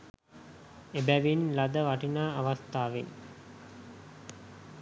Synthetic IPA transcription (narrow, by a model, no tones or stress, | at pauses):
ebæʋinlad̪əʋaʈinaːaʋast̪aːʋen